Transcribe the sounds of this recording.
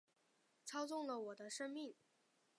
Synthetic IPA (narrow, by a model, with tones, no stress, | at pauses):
t͡sʰɑ˥ʊt͡sʊ˥˩ŋlə˩wɔ˨˩d̪ə˦ʂə˥ŋmi˥˩ŋ